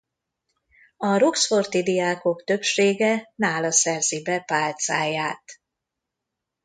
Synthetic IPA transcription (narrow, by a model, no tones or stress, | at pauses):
ɒɾoksfo̞rt̪id̪ijaːko̞kt̪ø̞kʃeːɡɛnaːlɒsɛrzibɛpaːlt̪saːjaːt̪